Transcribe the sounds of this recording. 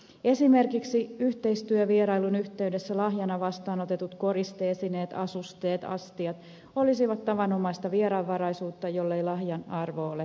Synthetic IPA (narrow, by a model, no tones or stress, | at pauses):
e̞sime̞rkiksiyht̪e̞ist̪yøʋieɾɑilunyht̪e̞ydesːælɑɦjɑnɑʋɑst̪ɑːno̞t̪e̞t̪ut̪ko̞ɾist̪eːsineːt̪ɑ̰sust̪eːt̪ɑ̰st̪iɑt̪ | olisiʋɑt̪tɑʋɑno̞mɑist̪ɑʋieɾɑʋːɑɾɑisuːt̪ːɑjo̞lːeilɑhjɑnɑrʋole